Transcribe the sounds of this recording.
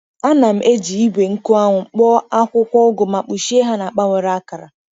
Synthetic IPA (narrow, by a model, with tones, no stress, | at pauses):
a˦na˨m̩˨ʔe˦d͡ʒi˨i˦ɡʷe˨ŋ̩˦kʊ˦a˦ŋʷʊ˨k͡pɔ˦a˦kʷʊ˦kʷɔ˦ɡʊ˨ma˨k͡pu˨ʃi˦e˦ɦa˦na˨a˨k͡pa˦ŋʷe˨ɾa˦ka˨ɾa̰˨